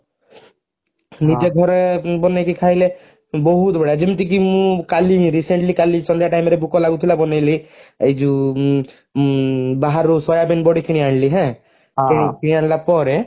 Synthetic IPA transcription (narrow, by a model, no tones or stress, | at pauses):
nid͡ʒɛɡʱɔɾɛbɔnɛkikʰaɦjlɛ | bɔɦut̪bɛɽad͡ʒimt̪ik̬imũkaliɾiseɳʈlikalisɔnd̪jaʈajmɾɛbukɔlaɡut̪ʰilabɔnajliejd͡ʒu | baɦaɾusɔjabɛnbɔɽikʰiñiaɳliɦɛ̃ | kekʰinianlapɔɾɛ